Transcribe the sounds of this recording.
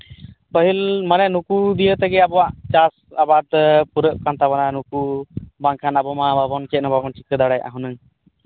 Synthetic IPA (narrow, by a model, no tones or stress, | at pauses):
bəɦilmənɛnukud̪ijət̪ɛɡɛabɔwaʔt͡ʃasabad̪̚puɾəʔ̚kant̪abananukubaŋkʰanabɔmababɔnkɛt̪̚nababɔnt͡ʃikəd̪aɽajʔa̰ɦunəŋ